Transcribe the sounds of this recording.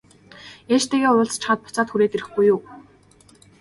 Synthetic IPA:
eːʃt̪eːɣeːʊɮt͡st͡ɕχə̆ːt̪̚pʊt͡saːt̪xuɾeːt̪eɾɘ̆xɡujːʊː

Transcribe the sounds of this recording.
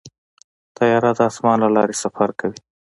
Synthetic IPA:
t̪ajɑɾad̪əɑsmɑnlalɑɾesafaɾkawi

